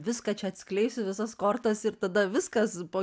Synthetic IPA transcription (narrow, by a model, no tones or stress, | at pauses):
ʋʲɪskɐt͡ʃʲɛɐt̪ʲsʲkʲlʲɛɪsʲʊʋʲɪsɐskoːrt̪ɐsɪrt̪ɐd̪ɐʋʲɪskɐspoː